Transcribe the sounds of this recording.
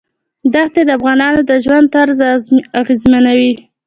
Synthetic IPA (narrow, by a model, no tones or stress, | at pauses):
d̪at̪ed̪əafɣɑnɑnod̪əʒwand̪̚t̪aɾzaɣezmanawi